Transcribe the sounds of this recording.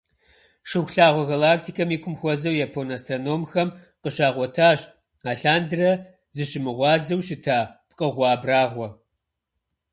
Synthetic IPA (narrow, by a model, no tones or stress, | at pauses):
ʂɨxʷɬaːʁʷɔɣɐlaːk̚tʰikʰɐmiːkʷʰʊmxʷɔzɐwjapʰonastronoːmxɐm | qəɕaːʁʷɔtʰaːɕ | aːɬaːndɨrɐ | zɨɕɪmɨʁʷɑːzɐwɕɪtʰaːpqʼəʁʷɑːbraːʁʷɔ